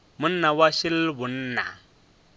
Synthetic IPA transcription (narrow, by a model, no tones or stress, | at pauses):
munːawaʃilbunːa̰